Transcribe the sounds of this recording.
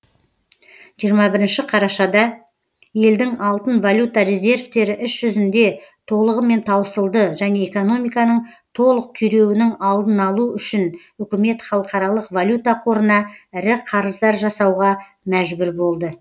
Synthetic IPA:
ʒijəɾmɑbɪɾɪnʃɪqʰɑɾɑʃɑd̪ɑ | je̞ld̪ɪŋɑlˠt̪ənvalʲjut̪ɑɾe̞zʲe̞rft̪e̞ɾɪʔɪsʒ̥ʏzɪnd̪e̞t̪ʰo̞lˠəʁəme̞nt̪ʰɑwəsəlˠd̪əʒæne̞eko̞no̞mijkɑnəɴ | t̪ʰo̞lˠəq̚t̪ʰʏjɾe̞wɪnɪŋɑlˠd̪ənɑlˠuʏʃɪn | ʏkʲɪme̞t̪χɑlˠəqɑɾɑlˠəqvalʲjut̪ɑqʰo̞ɾənɑɪɾɪqʰɑɾəzd̪ɑɾʒɑsɑwʁɑ | mæʒbʏɾbo̞lˠd̪ə

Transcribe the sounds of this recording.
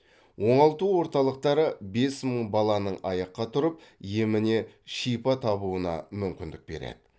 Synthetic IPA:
wo̞ɴɑlˠt̪uwo̞ɾt̪ɑlˠəq̚t̪ɑɾəbe̞sməɴbɑlˠɑnəɴɑjɑqːɑt̪ʰʊɾəp̚je̞mɪne̞ʃijpɑt̪ʰɑβuənɑ̰mʏmkʲɪnd̪ɪk̚be̞ɾḛd̪̥ɪ̥

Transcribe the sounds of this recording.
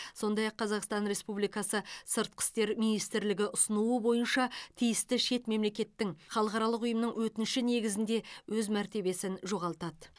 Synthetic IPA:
so̞nd̪ɑjɑqʰːɑzɑqst̪ɑnɾe̞spublˠijkɑsəsəɾt̪̚qʰə̥st̪e̞ɾmijnijst̪ɪɾlɪɡʲɪʔʊsənuəbo̞jənʃɑt̪ʰijɪst̪ɪʃe̞t̪me̞mle̞kʲe̞t̪ːɪŋχɑlˠəqɑɾɑlˠəqʊjəmnəɴŋwɵt̪ɪnʃɪne̞ɡʲɪzɪnd̪e̞wɵzmæɾt̪e̞be̞sɪnʒo̞ʁɑlˠt̪ɑd̪

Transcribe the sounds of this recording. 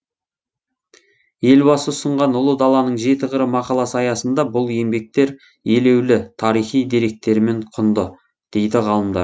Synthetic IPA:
je̞lbɑsəsəɴʁɑnʊlˠəd̪ɑlˠɑnəɴʒe̞t̪ɪʁəɾəmɑqɑlˠɑsəɑjɑsənd̪ɑbʊlˠe̞mbe̞k̚t̪e̞ɾ | je̞le̞wlɪt̪ʰɑɾijχijd̪eɾe̞k̚t̪e̞ɾɪme̞ɴqʰʊnd̪ə | d̪̥e̞jd̪ɪʁɑlˠəmd̪ɑ̰ɾ

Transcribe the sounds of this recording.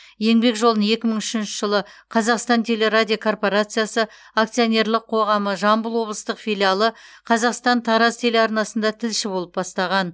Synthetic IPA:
je̞ŋbe̞kʒo̞lˠd̪əne̞kʲɪməɴʏ̥ʃɪnʃɪ̥ʒəlˠə | qʰɑzɑqst̪ɑnt̪ʲʰe̞le̞ɾadʲiokʰo̞rpo̞ɾat̪sɨjasə | ak̚t̪sijo̞nʲe̞ɾlˠɪqʰo̞ʁɑməʒɑmbəlˠwo̞blˠəst̪əqfʲijlʲialˠəqʰɑzɑqst̪ɑnt̪ʰɑɾɑst̪ʰe̞leɑɾnɑsənd̪ɑt̪ʰɪlʃɪbo̞lˠəp̚bɑst̪ɑʁɑn

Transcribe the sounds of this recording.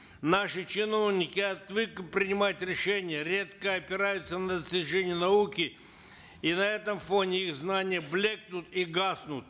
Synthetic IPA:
naʂɨt͡ɕɪno̞vnʲɪkʲɪɐt̪vɨkɨpɾʲɪnʲɪmajt̪ʲɾʲɪʂɛnʲɪjəɾʲet̪kəɐpʲɪɾajʊt̪sənəd̪əsʲtʲɪʐɛnʲɪjənɐukʲɪ | inɐɛt̪əmfonʲɪixznanʲɪjəblʲek̚nʊt̪iɡasnʊt̪̚

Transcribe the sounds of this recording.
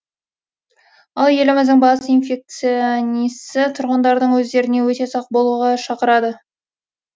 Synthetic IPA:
ɑlˠje̞lɪmɪzd̪ɪŋbɑsijnfʲe̞k̚t̪sionisɪt̪ʰʊɾʁənd̪ɑɾd̪əɴwɵzd̪e̞ɾɪne̞wɵt̪e̞sɑq̚bo̞lˠuʁɑʃɑqəɾɑd̪ə

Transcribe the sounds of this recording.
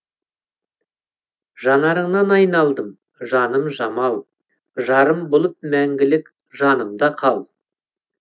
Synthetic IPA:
ʒɑnɑɾəɴnɑnɑjnɑlˠd̪əm | ʒɑnəmʒɑmɑlˠ | ʒɑɾəmbolˠəp̚mæŋɡʲɪlɪk | ʒɑnəmd̪ɑqʰɑlˠ

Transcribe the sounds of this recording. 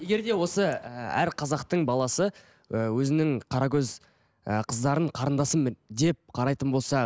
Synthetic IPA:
je̞ɡʲe̞ɾd̪e̞wo̞səəæ̰ɾqʰɑzɑqt̪əɴbɑlˠɑsə | əwɵzɪnɪŋqʰɑɾɑkʲɵz | əqʰəzd̪ɑɾəɴqʰɑɾənd̪ɑsəmd̪e̞p̚qʰɑɾɑjt̪ənbo̞lˠsɑ

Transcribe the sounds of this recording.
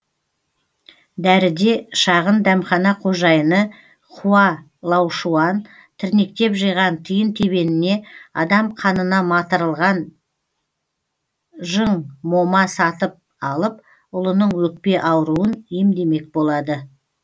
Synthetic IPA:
d̪æɾɪd̪e̞ʃɑʁənd̪æmχɑnɑqʰo̞ʒɑjənə | qʰuɑ | lˠɑwʃuɑn | t̪ʰɪɾne̞k̚t̪e̞pʒijʁɑnt̪ʰəjənt̪ʰe̞be̞nɪne̞ɑd̪ɑmqʰɑnənɑmɑt̪əɾəlˠʁɑn | ʒəɴmo̞mɑsɑt̪əp̚ | ɑlˠəp̚ | ʊlˠənəɴwɵk̚pe̞ʔɑwɾuənjemd̪e̞me̞k̚bo̞lˠɑd̪ə

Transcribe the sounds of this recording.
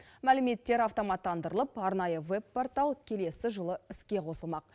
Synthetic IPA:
mælɪme̞t̪ːe̞ɾɑft̪o̞mɑt̪ːɑnd̪əɾəlˠəpɑɾnɑjəve̞bpːo̞rt̪ɑlˠkʲʰe̞le̞sɪʒəlˠəɪskʲe̞qʰo̞səlˠmɑq̚

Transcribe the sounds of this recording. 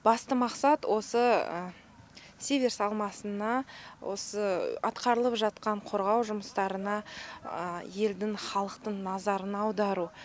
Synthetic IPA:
b̥ɑst̪əmɑqsɑt̪wʔo̞sə | sʲevʲeɾsɑlˠmɑsənɑwʔo̞̰səɑ̰t̪qɑɾəlˠəpʒɑt̪̚qɑɴqʰo̞ɾʁɑwʒʊməst̪ɑɾənɑ | je̞ld̪ɪŋχɑlˠəqt̪əɴnɑzɑɾənɑwd̪ɑɾu

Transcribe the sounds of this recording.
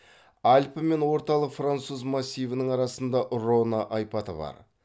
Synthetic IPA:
ɑlʲpəme̞nwo̞ɾt̪ɑlˠəqfrant̪suzmasʲːijvənəɴɑɾɑsənd̪ɑʔronaʔɑjpɑt̪ə̰bɑ̰ɾ

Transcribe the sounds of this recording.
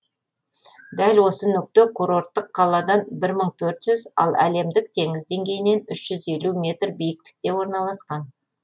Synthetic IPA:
d̪ælwo̞sənʏk̚t̪ɪkʰuɾo̞rt̪ːəqʰːɑlˠɑd̪ɑnbɪɾməɴt̪ʰɵɾt̪ʒ̥ʏzɑ̰lˠæ̰le̞md̪ɪk̚t̪ʰe̞ŋɪzd̪e̞ŋɡʲe̞jɪne̞nʏʃʒ̥ʏze̞lumʲe̞t̪rbijɪk̚t̪ɪ̥k̚t̪e̞wo̞ɾnɑlˠɑsqɑn

